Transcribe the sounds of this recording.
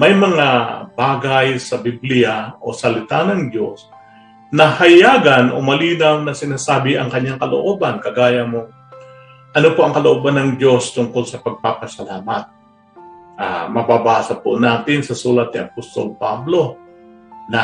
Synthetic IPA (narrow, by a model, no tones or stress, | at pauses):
mɐjmɐŋabaːɡajsɐbiblɪjaʔo̞̰sɐlɪt̪anɐŋd̪jo̞s | nɐhɐjaːɡɐnʔo̞̰mɐliːnawnɐsɪnaːsaːbɪʔɐŋkɐɲːaŋkɐlo̰ʔo̞ːbankɐɡaːjɐmo̞ | ʔɐnopoʔɐŋkɐloʔobɐnːɐŋd͡ʒo̞st̪ʊŋko̞lsɐpɐɡ̚papɐsɐlaːmɐt̪̚ | ʔa̰mɐbabaːsɐponaːt̪ɪnsɐsuːlɐt̪̚nɪʔɐpost̪o̞̰lpablo̞ | nɐ